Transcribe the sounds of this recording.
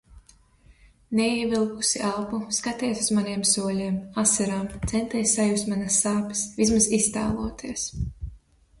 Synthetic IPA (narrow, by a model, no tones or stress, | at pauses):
neiɛvilˠkusiʔalˠpuskat̪iɛsuzmanʲiɛmsuɔlʲiɛmasɛɾaːmt̪sɛnt̪ɛːjssajust̪manasːaːpe̥svismazist̪a̰ːlˠuɔt̪ʰiːɛs